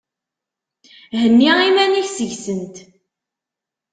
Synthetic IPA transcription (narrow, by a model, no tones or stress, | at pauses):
hənːiimæniçsəʝsənt̪